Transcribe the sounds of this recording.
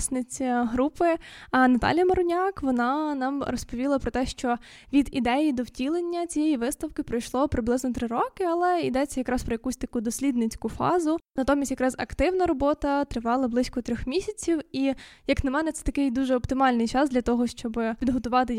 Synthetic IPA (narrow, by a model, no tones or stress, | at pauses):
sʲnɪt͡sʲɐɦɾupɪnɐt̪ɑ̰lʲijɐmɐɾʊnʲɑkʋɔnɑnɑmrɔspɔʋʲilˠɐpɾɔt̪ɛʃt͡ʃɔ | ʋʲid̪id̪ɛjid̪ɔwtʲilˠenʲːɐt͡sʲijɛjiʋɪst̪ɐwkɪpɾɔjʃlˠɔpɾɪblˠɪznɔt̪ɾɪɾɔkɪɐlˠɛid̪ɛt͡sʲːɐjɐkɾɑspɾɔjɐkusʲt̪ɐkud̪ɔsʲlʲid̪nɪt͡sʲkʊfɑ̰zʊnɐt̪ɔmʲisʲt̪ʲjɐkɾɑzɐkt̪ɪwnɐɾɔbɔt̪ɐt̪ɾɪʋɑlˠɐblˠɪsʲkɔt̪ɾʲɔxmʲisʲɐt͡sʲiwijɐknɐmɛnɛt̪sɛt̪ɐkɪjd̪uʒɛɔpt̪ɪmɑlʲnɪjt͡ʃɑzd̪lʲɐt̪ɔɦɔʃt͡ʃɔbɪpʲid̪ɦɔt̪ʊʋɑt̪ɪ